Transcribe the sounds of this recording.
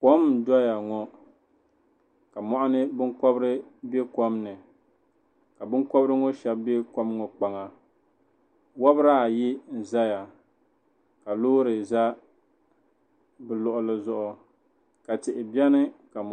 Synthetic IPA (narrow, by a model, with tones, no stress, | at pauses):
kɔ˦m˨dɔ˦ja˨ŋɔ˨ | ka˨mɔ˨ʔa˦nɨ˦bɨ˦ŋkɔ˦bɾɨ˦be˦kɔ˦mnɨ˨ | ka˨bɨ˦ŋkɔ˦bɾɨ˦ŋɔ˦ʃɛ˦bbe˦kɔ˦mŋɔ˨k͡pa˨ŋa˨ | wa˦bɾa˦˨ji˦n̩˨za˦ja˨ | ka˨loː˦ɾɨ˨za˦ | bɨ˨lʊ˨ʔʊ˨lɨ˦zʊ˦ʔʊ˨ | ka˨tɪ˨ʔɪ˨bi˦ɛ˦nɨ˦ka˨